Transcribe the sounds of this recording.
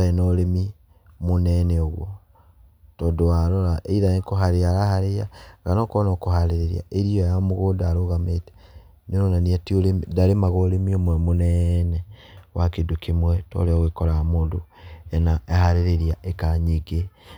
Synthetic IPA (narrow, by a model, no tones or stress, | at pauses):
enɔɾemi | monɛnɛɔɣwɔ | tɔdoaɾɔɾaʔeiðaekoɦaɾeaɾahaɾeaɣanɔkɔnɔkohaɾeɾeɾḭa̰eɾiɔjamoɣoːdaːɾoɣametɛ̥ | neɾonaniatioɾemdaɾemaɣoɾemiomwɛmonɛnɛwʔakedokemwɛtɔ̰ɾeɔɣekɔɾamoːndoɛnaehaɾeɾeɾiaʔekaɲiɡe